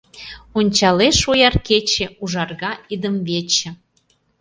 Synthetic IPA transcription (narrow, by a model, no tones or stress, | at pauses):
onʲt͡ɕɑleʃojɑrket͡ɕĕuʒɑrɣɑid̪əmβet͡ɕĕ